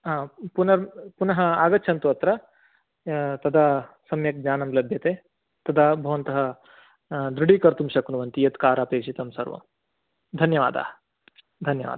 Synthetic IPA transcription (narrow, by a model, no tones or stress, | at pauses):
aːpunɐɾpunɐɦɐ̆aːɡɐtːʃʰɐnt̪uɐt̪ɾɐ | t̪ɐd̪a | sɐmjɐk̚d͡ʒaːnɐmlɐbʱjɐt̪eː | t̪ɐd̪aːbʱɐʋɐnt̪ɐɦɐ | d̪ɾuɽikɐɾt̪umʃɐknuʋɐnt̪ijɐt̪kaːɾaːpeːʃit̪ɐmsɐ̰ɾʋɐ̰m | d̪ʱɐnjɐʋa̰ːd̪a̰ː | d̪ʱɐnjɐʋa̰ːd̪a